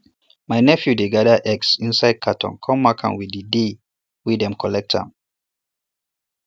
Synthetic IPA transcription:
majnɛfjudeɡadəʔɛksĩnsaɪd̚kʰatʰɔ̰̃nkʰɔ̃mːakʰã̰nwidide | widɛ̃mkʰɔlɛk̚tã̰m

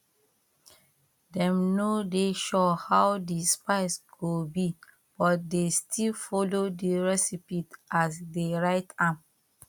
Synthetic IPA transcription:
dɛ̃mnodeʃɔhawdispaɪsɡobi | b̥ɔt̚destʰilfɔlodiɹɛsipitasdeɹaɪtʰãm

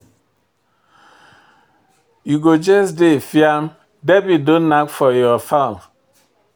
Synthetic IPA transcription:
juɡod͡ʒɛsdefiam | dɛbidõnːakfɔjɔfal

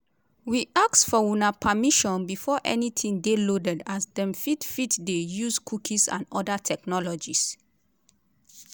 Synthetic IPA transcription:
wiʔaksfɔwunapʰamiʃɔ̃nbifɔʔɛ̰nitʰĩŋdelodɛdasdɛ̃mfitfitdejuskʰukʰisã̰nɔdatʰɛknɔlɔd͡ʒis

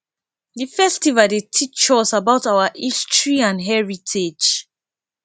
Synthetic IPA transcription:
difɛstivadetʰit͡ʃɔsabaʊtawaʔistɹiãnɦɛɹitʰed͡ʒ

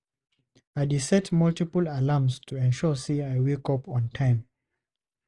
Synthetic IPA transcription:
adisɛtmɔltipəlalamstʰuɛ̃nʃɔseaɪwekɔpɔ̃ntʰãɪ̃m

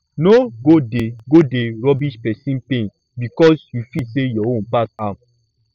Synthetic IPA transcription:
noɡodeɡodeɾɔbiʃpɛsĩnpẽn | bikɔsjufisejɔõnpatãm

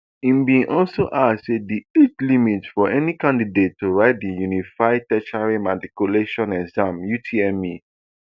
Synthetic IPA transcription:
ĩmbĩnʔɔlsoʔasediet͡ʃlimitfɔɛnikãndidetːuɹaɪt̚dijunifaɪd̚tɛt͡ʃaɹimatikjuleʃɔ̃nɛkzãmjutʰiɛmi

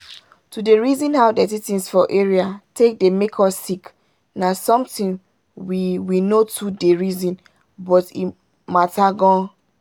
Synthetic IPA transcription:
tudeɹizĩnɦawdɛtitĩnsfɔʔeɹiatek̚demekʰɔsːik | nasɔ̃mtĩn | wiwinotʰudeɹizĩn | bɔtḭ | mataɡɔ̃n

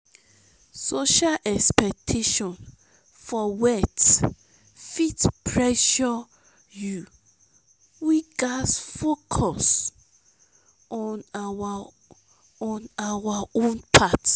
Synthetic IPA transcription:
soʃalʔɛkspɛk̚tʰeʃɔ̃n | fɔwɛt | fitpʰɹɛʃɔ | ju | wiɡasfokʰɔs | ɔnaw | ɔ̃nawaõnpʰat

